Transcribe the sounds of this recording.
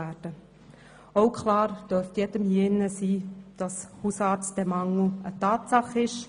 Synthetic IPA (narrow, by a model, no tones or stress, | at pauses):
æːɾd̥ə | oʊkʰχlɑːɾd̥øɾftjɛd̥əmhiɪnːəsiːd̥ɑshusɑːt͡std̥ɛmɑŋl̩ətɑːtsɑχɪʃ